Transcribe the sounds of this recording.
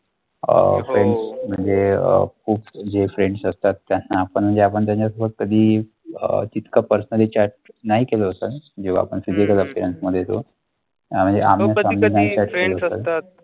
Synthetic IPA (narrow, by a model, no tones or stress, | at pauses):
ə̰fɾeɳɖsm̤əɳd͡zeə̰kʰuːpd͡ʑefɾeɳɖsəst̪at̪ːjanːaːpəɳm̤əɳd͡zeap̬əɳt̪jaɲt͡ɕasəbʱək̪̚kəd̪ʱiː | ət̪it̪kapəɾsnəlit͡ɕaɾʈ̚naɦikeloəsəld͡ʑiʋ̤a̰a̰pəɳsid̪ʱekələpiɾənsməd̪ʱːjet̪o̰ | jam̤əɳd͡zeʔa̰m̤asaminaɦit͡ɕaɾʈkeloɦəsə̰l